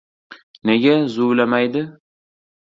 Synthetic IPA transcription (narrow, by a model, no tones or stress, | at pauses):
neɡʲazʊwlamajd̪ɪ